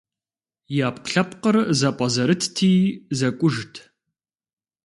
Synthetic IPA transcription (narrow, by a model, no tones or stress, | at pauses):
jaːpqɬɐpqərzɐpʼɐzɐɾɨtʰtʰiːzɐkʷʼʊʒtʰ